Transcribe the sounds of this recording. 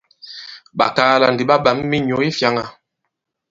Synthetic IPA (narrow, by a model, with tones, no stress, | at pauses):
ɓa̰˨kaː˦la˨ndi˨ɓa˦ɓa˨˦mː˦i˦ɲo˨˦i˦fja˨˦ŋa˨